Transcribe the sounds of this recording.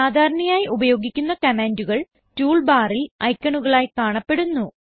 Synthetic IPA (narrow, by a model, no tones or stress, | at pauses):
aːd̪ʱaːɾɐɳɐjaːjiʔubɐjo̞ːɡikʲːunːɐkɐmaːnduɣɐɭ | tuːɭbaːrilɐjkːɐɳuɣɐɭaːjkaːɳɐpːe̞ɽunːu